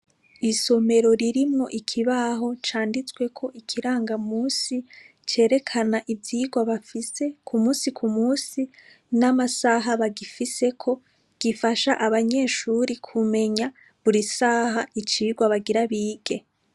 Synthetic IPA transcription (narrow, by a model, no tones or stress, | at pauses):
iso̞me̞ɾo̞ɾiɾimŋo̞ʔikʰiβaɦo̞t͡ʃaːndit͡swe̞kʰo̞ʔikʰiɾaːŋɡamuːsi | t͡ʃe̞ːɾe̞kʰanaʔivjiːɡwaβafise̞kʰumuːsikʰumuːsi | namasaɦaβaɡifise̞kʰo̞ | ɡ̥ifaʃaʔaβaɲe̞ːʃuɾikʰume̞ɲa | βuɾisaːɦait͡ʃiːɡwaβaɡiɾaβiːɡ̥e̞